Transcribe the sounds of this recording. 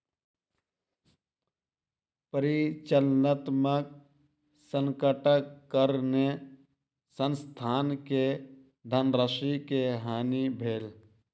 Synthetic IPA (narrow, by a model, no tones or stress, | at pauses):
pəɾit͡ʃəlnət̪mək̚ | səŋkəʈəkːəɾne | sənst̪ʰaːnke | d̪ʱənɾəsikeɦaːnibʱeːl